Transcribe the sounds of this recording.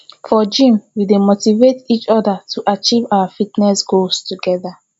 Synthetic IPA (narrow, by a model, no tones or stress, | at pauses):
fɔd͡ʒĩmwidemotivetit͡ʃɔdatʰuʔat͡ʃivawafitnɛsɡostuɡɛða